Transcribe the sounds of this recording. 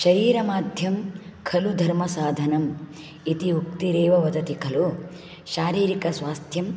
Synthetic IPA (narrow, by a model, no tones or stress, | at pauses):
ʃɐɾiːɾɐmaːd̪ʱjɐmkʰɐlud̪ʱɐɾmɐsaːd̪ʱɐnɐm | it̪imukt̪iɾeːʋɐʋɐd̪ʱɐt̪ikʰɐlu | ʃaːɾiːɾikɐsʋaːst̪ʰjɐm